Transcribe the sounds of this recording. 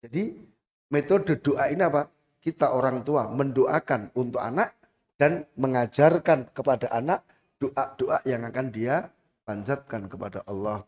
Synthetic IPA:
d͡ʒadi | met̪odə̤d̥oʔaʔiniapa | kit̪aʔoɾaŋt̪uaməndoʔakanunt̪ʊka̰naʔ | d̥anməŋad͡ʒarkankəpadaʔanaʔ | d̥oʔaʔd̥oʔaʔjaŋakandia | b̥aɲd͡ʒat̪̚kankəpadaʔɑlːɔh

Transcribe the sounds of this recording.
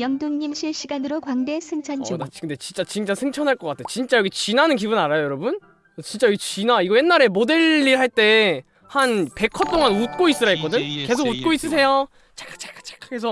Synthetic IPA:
jʌŋdoŋɲimɕʰiɭɕʰiɡanɯɾokwaŋde̞sʰɯŋt͡ɕʰʌnd͡ʑokʰɯnde̞t͡ɕint͡ɕ͈at͡ɕint͡ɕ͈asʰɯŋt͡ɕʰʌnɦaɭk͈ʌk͈atʰet͡ɕint͡ɕ͈ajʌɡit͡ɕinanɯnk̬ibunaɾajojʌɾʌbun | t͡ɕint͡ɕ͈ajʌɡit͡ɕinaiɡʌje̞nːaɾe̞mode̞ɭːihaɭt͈e̞ | hanpe̞kʰʌt͈oŋanut̚k͈ois͈ɯɾaɦek͈ʌdɯɲke̞s̬ʰoɡut̚k͈ois͈ɯs̬ʰe̞jo | t͡ɕekat͡ɕʰe̥kḁt͡ɕʰe̥kʰaɡes̬ʰʌ

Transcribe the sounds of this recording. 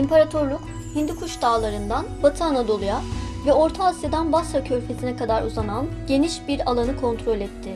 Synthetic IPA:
impʰaɾat̪ʰo̞ɾlˠuk | hind̪ikʰuʃd̪aːlˠaɾɯnd̪anbat̪ʰɯanad̪o̞lˠujavɛo̞ɾt̪ʰaːsjad̪anbasɾacʰø̞ɾpʰe̞sinɛkʰad̪aɾuzananɟe̞niʃbiɾalˠanɯkʰo̞nt̪ʰɾo̞lʲɛt̪ʰːɪ

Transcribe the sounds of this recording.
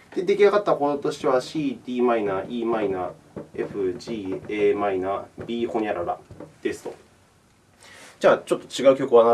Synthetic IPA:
d̪̥e̞d̪e̞kʲiaɡat̪ːako̞t̪ot̪o̞ɕi̥t̪e̞βaɕiːd̪ʲiːmainaʔiːmainae̞ɸɯ̟ʑiːeːmainaːbʲiːhoɲʲaɾaɾa̰d̪̥e̞sɨ̥t̪o̞̰ | d͡ʑaːt͡ɕo̞t̪ːo̥t͡ɕiɡaɯ̟kʲo̞kɯβana

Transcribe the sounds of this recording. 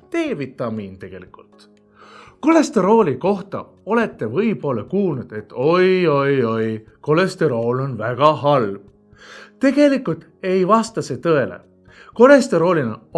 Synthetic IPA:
t̪e̞ːvit̪ːˑɑmiːnt̪e̞ɡ̥e̞likult̪ | ko̞le̞st̪eɾo̞ːliko̞ht̪ɑ̰ | o̞le̞t̪ːe̞vɤjbo̞lːekuːlnud̪̥e̞t̪ːo̞jo̞jo̞jko̞lest̪e̞ɾo̞ːlo̞nvæɡ̥ɑɦɑlb̥ | t̪e̞ɡ̥e̞likːult̪ˑ | e̞jvɑst̪ɑse̞ːt̪ɤelḛ | ko̞le̞st̪eɾo̞ːlinɑ

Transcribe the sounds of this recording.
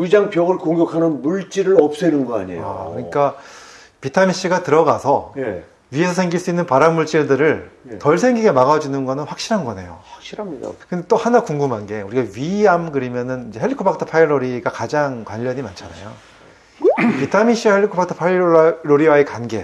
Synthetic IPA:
id͡ʑaŋpjʌɡɯɭkoŋɡjʌkʰanɯnmuɭt͡ɕ͈iɾɯɾʌp̚s͈enɯnɡʌa̰ɲḛa̰kɯɲik͈a | pitʰamiɕ͈iɡatɯɾʌɡasʰʌ | ɥie̞sʰʌsʰe̞ŋɡiɭs͈uinːɯnpaɾanmuɭt͡ɕ͈iɭdɯɾɯɭtʌɭsʰe̞ŋɡiɡe̞maɣad͡ʑunɯnɡʌnɯnɸwak̚ɕ͈iɾɦanɡʌne̞̰jo̰kɕia̰kɯndet͈ohanakuŋɡumɦanɡe̞uɾiɡaɥiamkɯɾimjʌnɯnind͡ʑe̞ɦeʎːikʰopʰak̚tʰɯpʰajɭoɾiɡakad͡ʑaŋkwaʎːʌɲimant͡ɕʰana̰jo | pitʰamiɕ͈iaheɭːikʰopaktʰɯ̥pʰajɾoɾiwaekanɡe̞̰

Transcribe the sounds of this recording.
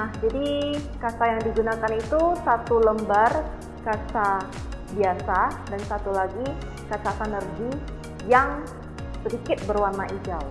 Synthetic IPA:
nahd͡ʒadikasajaŋdiɡunakanit̪usat̪uləmbar | kasa | biasadansat̪ulaɡi | kat͡ʃasanərɡi | jaŋ | sədikɪt̪̚bərwarnaʔid͡ʒaw

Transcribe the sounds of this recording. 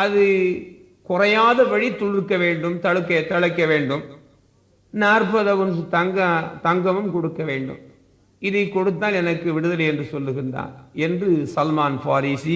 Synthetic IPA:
ɐðɯ | kʊrɐjaːðɐʋɐɻit̪ːɔɽɯɾkːɐʋeːɳɖɯmt̪ɐɻɯkːɐt̪ːɐɻɐkːɐʋeːɳɖɯm | naːrpɐðɐʋɯnt̪ɐŋɡɐt̪ɐŋɡɐmɯmkɔɽɯkːɐʋeːɳɖɯ̰m | ɪðɐɪkːɔɽɯt̪ːaːlɛnɐkːɯʋɪɽɯðɐlɐɛndrɯsɔlːɯɣɪnda̰ːnɛndrɯsɐlmaːnfaːɾiːsi

